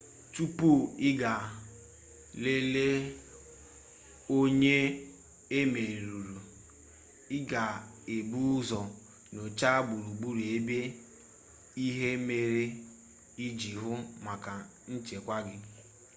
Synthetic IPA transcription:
tu˦pu˦˨ɪ˦ɡa˨ | le˦le˦ | o˦ɲe˦ | e˦me˨ɾu˨ɾu˨ | ɪ˦ɡa˨ | e˨bu˦zɔ˨ | no˨t͡ʃa˦ɡ͡bu˨ɾu˨ɡ͡bu˦ɾe˦be˦ | i˦ɦe˦me˨ɾe˦ | i˦d͡ʒi˨ɦʊ˦ma˨ka˨ | n̩˦t͡ʃe˨kʷa˦ɡɪ˦

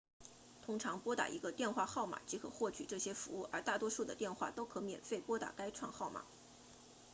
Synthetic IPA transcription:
t̪ʰʊ˥ŋʈ͡ʂʰɑ˧˥ŋpwɔ˥t̪a̰˨˩ʔḭ˧˥ɡə˧t̪jɛ˥˧nxwa˥˧xɑ˥˩ʊma̰˨˩t͡ɕi˧˥kʰɤ̰˨˩˦xwɔ˥˩t͡ɕʰy˨˩ʈ͡ʂɤ˥˩ɕjɛ˥fu˧˥u˥˩ʔə̰˞˧˥t̪a˥˩t̪wɔ˥ʂu˥˩d̪ə̰˩t̪jɛ˥˧nxwa̰˥˩t̪o˥ʊkʰɤ˧˥mjɛ̰˨˩nfe˥˩ɪpwɔ˥t̪a̰˨˩ka˥ɪʈ͡ʂʰwɑ˥˧ŋxɑ˥˩ʊma̰˨˩˦

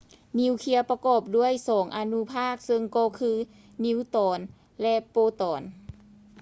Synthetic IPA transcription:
ni˧˥wkʰi˧ɐpa˧kɔː˨˩p̚du˥˩əjsɔː˩˦ŋʔa˧nu˧˥pʰaː˥˩k̚sɤ˧ŋkɔː˧kʰɯː˧˥ | ni˧˥wt̪ɔː˨˩˦n | lɛ˧ʔpoː˧t̪ɔː˨˩˦n

